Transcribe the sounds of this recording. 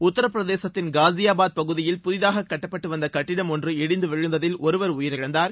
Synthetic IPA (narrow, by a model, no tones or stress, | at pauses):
ʊt̪ːɐɾɐpːɾɐðeːsɐt̪ːɪnɡaːzɪjaːbaːd̪̚pɐɣɯðɪjɪlpʊðɪðaːɣɐkːɐʈːɐpːɐʈːɯʋɐnd̪ɐkɐʈːɪɽɐmɔndrɯɛɽɪnd̪ɯʋɪɻɯnd̪ɐðɪlɔɾɯʋɐɾʊjɪɾɪɻɐnd̪aːɾ